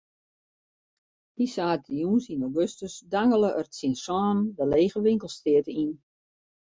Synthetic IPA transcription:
d̥isaːtʰijunsinowɡøstəsdaŋələʔərtsinsɔːndəleːɣəʋɪŋkəlˠstɪətəin

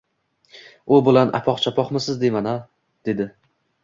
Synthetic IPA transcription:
ʊbʊlˠanʔa̰pʰɒqt͡ʃʰapʰɒqmɪsɪzd̪emana | d̪̥e̞d̪ɪ

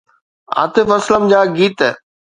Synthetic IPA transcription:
a̰ːt̪ɪfɐsləmd͡ʑaːɡiːt̪ː

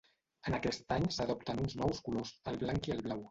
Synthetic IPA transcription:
ənəkɛst̪aɲsəðɔpt̪ənunznɔwskulozəlˠβlaŋkiəlˠβlaw

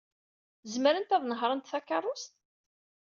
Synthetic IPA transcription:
zməɾənt̪æðˤnəɦɾˤənt̪θækːɑrˤːʊst̪

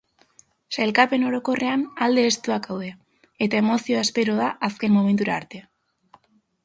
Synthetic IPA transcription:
sajlkape̞no̞ɾo̞ko̞re̞anald̪e̞ːst̪uakawðea | e̞t̪ae̞mo̞sio̞aspe̞ɾo̞ðaʔaske̞nmo̞me̞nt̪uɾaːɾt̪e̞a

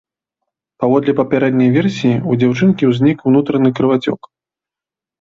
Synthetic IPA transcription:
pavɔd̪lʲɛpɐpʲaɾɛd̪nʲɐjvʲɛrsʲijiud͡zʲawt͡ʂɨnkʲiwzʲnʲikwnut̪ɾɐnɨkɾɨvat͡sʲɔ̰k

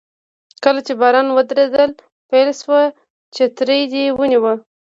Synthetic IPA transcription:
kəlat͡ʃebɑɾɑnwəd̪ɾed̪əl | pajlʃwə | t͡ʃet̪ɾəjd̪ewəniwə

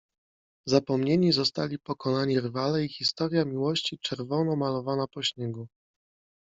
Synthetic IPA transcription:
zapɔmɲeɲizɔst̪alʲipɔkɔnaɲiɾvalɛixʲist̪ɔɾjamʲiwɔɕt͡ɕit͡ʂɛɾvɔnɔmalɔvanapɔɕɲɛɡu

